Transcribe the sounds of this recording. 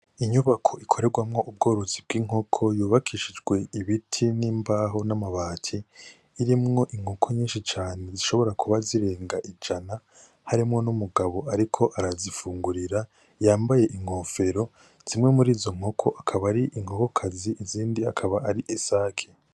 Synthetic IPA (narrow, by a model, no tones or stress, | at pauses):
iɲuβakʰo̞ʔikʰo̞ɾe̞ɡwamŋo̞ʔub̚ɡo̞ːɾozib̚ɡiːŋ̥o̞kʰo̞juːβakʰiʃid͡ʒɡwe̞iβitʰiniːmbaːɦo̞namaβaːtʰiː | ɾimŋo̞ʔiŋhokʰoɲiːnʃit͡ʃaːne̞ziʃo̞βo̞ɾakuβaziɾe̞ːŋɡaʔid͡ʒana | haɾimŋo̞numuɡaβo̞ʔaɾikʰo̞ʔaɾazifuːŋɡuɾiɾa | jaːmbaje̞ʔiŋ̥ho̞ːfeɾo̞ | z̥imŋe̞muɾiːzo̞ŋ̥o̞kʰo̞ʔakʰaβaɾiʔiŋ̥ho̞ko̞kʰaziʔiziːndiakʰaβaːɾiʔesaːkʰe̥